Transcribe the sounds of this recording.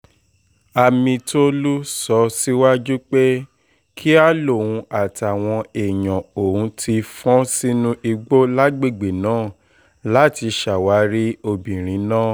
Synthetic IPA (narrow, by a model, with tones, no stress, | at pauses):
a˧mĩ˧to˦lu˦sɔ˧si˦wa˦d͡ʒu˦k͡pe˦ | kʰi˦a˦lo˦˨wũ˧a˨ti˨a˨w̃ɔ̃˧e˨jã˨o˨hũ˧tʰi˧fɔ̃˦si˦nũ˦ʔi˧ɡ͡bo˦la˦ɡ͡be˦˨ɡ͡be˨nãː˨˦˨ | la˨˦ti˧ʃa˨wa˨˦ɾi˦o˧bĩ˨ɾ̃ĩ˨˦nãː˦˨